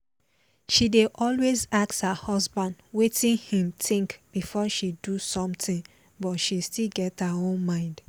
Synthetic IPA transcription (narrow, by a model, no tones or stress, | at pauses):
ʃideʔɔlwezakthahɔzbãndwetĩnhĩmtĩŋkb̥ifɔʃidusɔ̃mtĩŋ | bɔtʃistilɡɛthaõnmãɪ̃nd̥